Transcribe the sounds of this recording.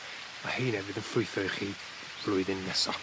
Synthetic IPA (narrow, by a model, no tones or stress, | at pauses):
mahejnɛvɪðənfʊɨθɔɨχi | b̥lʊɨðɪnːɛsɔ